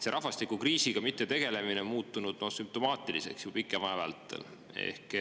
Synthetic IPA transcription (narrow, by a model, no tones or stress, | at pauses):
seɾʔɑɦvɑst̪ikukriːsiɡ̥ɑmit̪ːe̞t̪e̞ɡ̥e̞le̞minemuːt̪ːˑunud̪̥nosymp̚t̪o̞mɑːt̪ˑilise̞̰ksjupikːˑemɑevɑ̰lt̪ˑːḛl | e̞̰hk